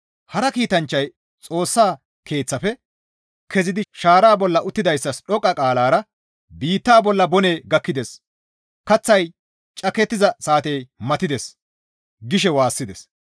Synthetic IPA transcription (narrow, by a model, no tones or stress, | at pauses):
hɐɾɐkiːt̪ɐnt͡ʃːɐj | t͡sʼo̞ːsːaː | kʰe̞ːt͡sːɐfɛ | kʰɛzɪd̪ɪʃaːɾaːbɔlːɐʔʊt̪ːɪd̪ɐjsːɐsɗɔkʼːɐkʼaːlaːɾɐ | biːt̪ːaːbɔlːɐbɔneːɡɐkːɪd̪es | kɐt͡sːɐj | t͡ʃʼɐkɛt̪ːɪzɐsaːt̪ejmɐt̪ɪd̪ɛs | ɡɪʃ̬ɛwaːsːɪd̪ɛs